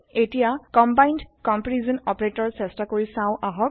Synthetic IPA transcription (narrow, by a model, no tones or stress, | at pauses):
etijakɔmbajndkɔmpɹizɔnɔpɹetɔɹsɛstakoɹisãʊ̃ʔaɦɔk̚